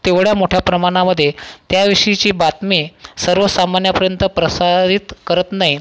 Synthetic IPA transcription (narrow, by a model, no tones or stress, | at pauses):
t̪eʋɽjamoʈʰjapɾəmaɽ̃aməd̪ʱːjet̪jaʋiʂəit͡ɕiːbat̪miːsəɾʋəsamanjapəɾjənt̪əpɾəsad̪ʱit̪kəɾət̪naɦi